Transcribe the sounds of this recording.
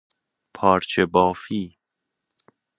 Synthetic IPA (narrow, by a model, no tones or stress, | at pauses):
pʰɒːɾt͡ʃʰebɒːfiː